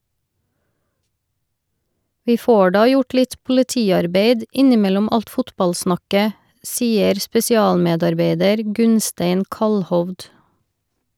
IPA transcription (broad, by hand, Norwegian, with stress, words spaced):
ˈʋiː ˈfoː ˈɖɑː ˈjʊʈ ˈlɪt pʊlɪˈtiːɑɾˌbeɪd ˈɪnɪˌmɛlɔm ˈɑlt ˈfʊtbɑlˌsnɑkə ˈsiːəɾ spɛsɪˈɑːlˌmeːdɑɾˌbeɪdəɾ ˈɡʉnsteɪn ˈkɑlhɔʋd